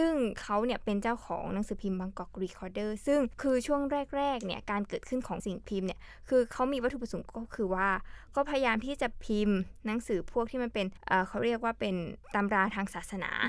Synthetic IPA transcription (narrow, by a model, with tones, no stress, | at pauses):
sɯ˥˩ŋkʰa˦˥wni˧˥˩əpe˧nt͡ɕaː˥˩wkʰɔ̰ː˩˦ŋna˨˩˦ŋsɯː˩˦pʰi˧mba˧ŋkɔ˨˩k̚ɾiː˧kʰɔː˧dɤː˥˩sɯ˥˩ŋkʰɯː˧t͡ɕʰu˥˩əŋɾɛː˥˩k̚ɾɛː˥˩k̚ni˥˩ɐkaː˧nkɤː˨˩t̪̚kʰɯ˥˩nkʰɔː˩˦ŋsi˨˩ŋpʰi˧mni˦˥˩ə | kʰɯː˧kʰa˦˥wmiː˧wa˥t̪ʰːu˨˩p̚a˧so˨˩˦kɔː˥˩kʰɯː˧waː˥˩kɔː˥˩pʰa˧ja˧jaː˧mt̪ʰiː˥˩t͡ɕa˨˩pʰi˧mna˩˦ŋsɯː˩˦pʰu˥˩k̚t̪ʰiː˥˩ma˧npe˧nʔɤː˨˩kʰa˦˥wɾi˥˩ək̚waː˥˩pe˧nt̪a˧mɾaː˧t̪ʰaː˧ŋsaː˨˩t̪̚sa˧na̰ː˩˦